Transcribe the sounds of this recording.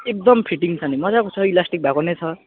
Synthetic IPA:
ek̚d̪ʌmpʰiʈiŋt͡sʰʌnimʌd͡zakot͡sʰʌilasʈik̚bʱakonet͡sʰʌ

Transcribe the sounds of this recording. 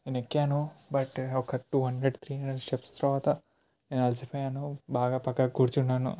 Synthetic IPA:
enekːaːnubɐʈɔkɐʈuːɦɐɳɖɾeɖt̪ʰɾiːɐɳɖɐsʈepst̪ɐɾɐʋaːt̪ɐ | nenɐlsipʰɐjaːnubaːɡaːpɐkːɐɡuɽut͡ʃunːaːnṵ

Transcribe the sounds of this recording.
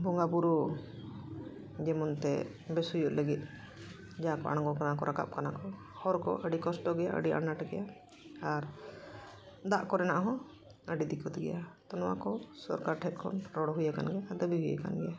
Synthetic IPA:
bɔŋɡapuɾu | d͡ʒɛmɔnt̪ɛ | bɛsujɔʔləɡit̪̚ˀ | d͡ʒakɔa̰ɽ̃ɔŋɡɔkanakɔɾʔaka̰p̚kanakɔ | hɔɾkɔ̰ʔəɖikɔsʈɔɡɛjaʔə̰ɖia̰naʈɡɛja | aɾ | d̪aʔkɔɾɛnaʔɦɔ̃ | əɖid̪ikʰɔt̪ɛɡɛ̰jat̪ɔnɔwa̰kɔsɔ̰ɾkaɾʈʰɛt̪̚ˀkʰɔ̰nɾɔɽɔɦujaka̰nɡɛad̪əbiɦuja̰ka̰nɡɛja

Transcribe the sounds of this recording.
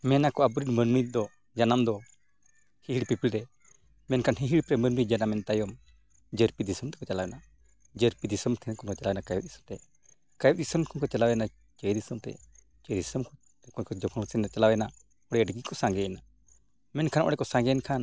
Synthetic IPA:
mɛnakɔabɾidmənmid̪ɔ | d͡ʒanamd̪ɔ | hiɦiɽpipilɾɛ | mɛnkʰanɦiɦiɽpɾɛmənmid͡ʒanamɛnt̪ajɔm | d͡ʒəɾpid̪isəmt̪ɛ̥kɔt͡ʃalawɛna | d͡ʒəɾpid̪isəmt̪ʰɛnkʰɔnkɔt͡ʃalawɛnakajut̪̚d̪isəmt̪ɛ | kajud̪isəmkʰɔnkɔt͡ʃalawna | t͡ʃəjd̪isəmt̪ɛ̰ | t͡ʃəjd̪isəmkʰ | ɛkɔnkɔd͡ʒɔkʰɔsɛnat͡ʃalawɛna | ɔɽɛəɖɡikɔsãŋɡɛɛna | mɛnkʰanʔɔ̰ɽɛkɔsãŋɡɛnkʰan

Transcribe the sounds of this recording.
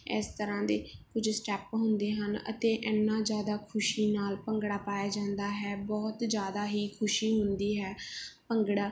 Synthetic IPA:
ɪst̪əɾãːd̪eːkʊd͡ʒsʈɛːpɦʊ̃nd̪eːɦənə̰t̪eːʔɪnːãːd͡ʒjaːd̪aːkʰʊʃiːnaːlpəŋɡɽaːpaːjaːd͡ʒãːnd̪aːɦɛːbɔːt̪d͡ʒjaːd̪aːɦiːkʰʊʃiːɦʊnd̪iːɦɛːpəŋɡɽaː

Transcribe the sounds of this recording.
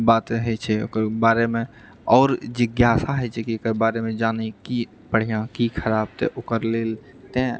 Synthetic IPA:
baːt̪əɦɛt͡ʃʰɛo̰kəɾbaːɾemẽ | ɔːɾd͡ʒɪɡjaːsaɦɛt͡ʃʰɛkikəɾbaːɾemẽd͡ʒaːneki | pəɽ̤ijãkikʰəɾaːb̚t̪ḛʔʊkəɾleːl | t̪ẽ

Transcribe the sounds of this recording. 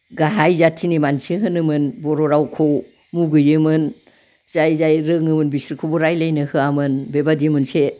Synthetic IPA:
ɡaɦajzatʰinimansiɦɯnɯmɯnbɔɾɔɾawkʰow | muɡɯjɯmɯn | z̥ajzajɾɯŋɯmɯnbisɾkʰɯwbɔɾajlajnɯhɯamɯnbebadiɯmɯnse

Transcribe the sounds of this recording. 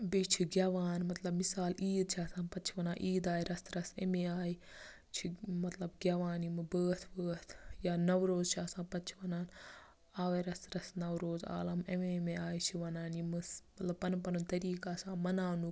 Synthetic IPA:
bit͡ʃʰiɡaːʋaːnmɐt̪lɐbmisaːliːd̪̚t͡ʃʰaːsãːnpɐt͡ʃʰiʋɐnãːʔiːd̪aːiɾɐst̪ɾɐsemẽaːi | t͡ʃʰimɐt̪lɐbɡaːʋaːnimɨbəːt̪ʰbəːt̪ʰjaːnɐʋɾoːzt͡ʃʰaːsãːnpɐt͡ʃʰiʋɐnaːn | aːʋeɾɐst̪ɾɐsnɐwɾoːza̰ːlɐmemẽmeaːjit͡ʃʰiʋɐnaːnimɨsmɐt̪lɐb̚pɐnpɐnunt̪ɐɾiːkaːsãːmɐnaːnu

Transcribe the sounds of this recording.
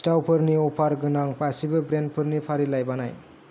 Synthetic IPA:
sʈawpʰɯɾniopʰaɾɡɯnaŋpasibʌbɾen̚pʰʌɾnipʰaɾilajbʌnaj

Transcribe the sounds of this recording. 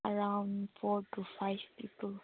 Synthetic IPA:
aɹãwnfɔtufajvpipəl

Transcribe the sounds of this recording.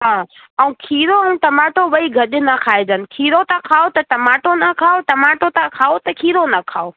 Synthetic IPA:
ɦãː | ɐũkʰiːɾoɐũʈɐmaːʈoʋɐiɡʱɐɗɪnɐkʰaːed͡ʑənɪ̆kʰiːɾot̪ãkʰaːot̪ɐʈɐmaːʈonɐkʰaːoʈɐmaːʈot̪ãkʰaːot̪ɐkʰiːɾonɐkʰaːo

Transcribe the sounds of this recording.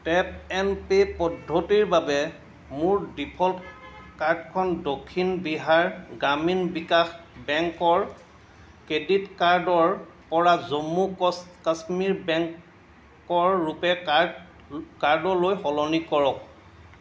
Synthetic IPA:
tɛp̚ɛnpepɔdʱːotiɹbabɛ | muɹdipʰɔltkaɹdkʰɔndokʰːinbiɦaɹɡɹaminbikaxbɛŋkɔɹ | keditkaɹdɔɹ | pɔɹazomːukasmiɹbɛŋ | kɔɹːupɛ | kaɹdɔlojxɔlɔnikɔɹɔk̚

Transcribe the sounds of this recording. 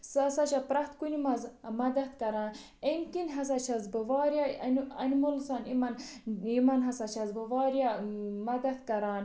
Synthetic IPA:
sasat͡ʃapɾat̪kunimɐzmɐd̪ɐt̪kɐɾaːn | enkinɦɐs̬at͡ʃʰazbɐʋɑːɾjanɐ̰nmolsaːnimɐnimɐnɦɐsat͡ʃʰɐzbɐʋɑːɾjamɐd̪ɐt̪kɐɾaːn

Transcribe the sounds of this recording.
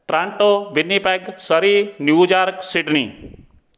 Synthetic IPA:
ʈɾãɳʈobɪnːipɛɡsəɾinjuːd͡ʒaɾksiʈni

